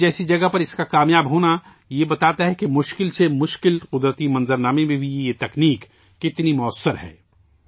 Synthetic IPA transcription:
d͡ʒɛːsid͡ʒɐɡəɦpɐɾɪskakaːmjaːbɦoːna | jebɐt̪aːt̪aɦɛkemʊʃkɪlsemʊʃkɪlqʊd̪ɾət̪imɐ̃nzəɾnaːmẽmẽbʱiejet̪ɐkniːkː | ɪt̪nimʊəsːəɾɦɛ̰ː

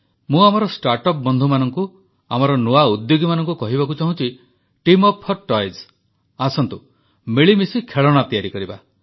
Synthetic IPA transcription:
mũamɔɾɔsʈaɾʈɔp̚bɔnd̪ʱumanɔŋku | amɔɾɔnuaud̪joɡimanɔ̃ŋkukɔɦibakut͡ʃaɦũt͡ʃʰi | ʈimɔpʰːɔʈɔjz | asɔnt̪u | miɭimisikʰeɭɔɽ̃at̪ijaɾikɔɾiba̰

